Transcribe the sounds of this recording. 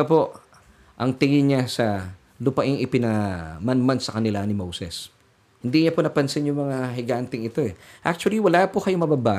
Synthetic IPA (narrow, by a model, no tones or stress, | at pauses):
apo̞ | ʔɐŋt̪ɪŋɪɲasɐ | lʊpɐʔɪŋɪpɪnɐmanmansɐkɐnɪlanɪmowsɛs | hɪnd̪iɲaponɐpɐnsɪnjʊŋmɐŋaɦɪɡant̪ɪŋɪt̪o̞ɛʔak̚t͡ʃʊɐliwɐlapokɐjomɐbabaː